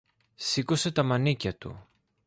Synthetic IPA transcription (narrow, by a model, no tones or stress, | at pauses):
siko̞se̞t̪ɐmɐnicɐt̪ṵ